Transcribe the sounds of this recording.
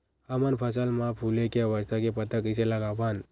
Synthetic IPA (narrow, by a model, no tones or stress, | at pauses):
həmənpʰəsəlmãpʰulekeʋəst̪ʰakepət̪əkiseləɡaʋan